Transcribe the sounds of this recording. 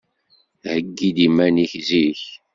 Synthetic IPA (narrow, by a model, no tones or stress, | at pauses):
həɡːid̪imæniçziç